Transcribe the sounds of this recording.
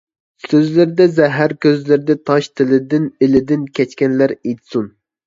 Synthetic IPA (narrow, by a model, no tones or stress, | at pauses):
søzlɪɾɪd̪ɛzɛɦæɾkʲøzlɪɾɪd̪ɛt̪ʰɑʃt̪ʰɪlɪd̪ɪnɪlɪd̪ɪnkʲɛt͡ʃkʲɛnlæɾet̪sun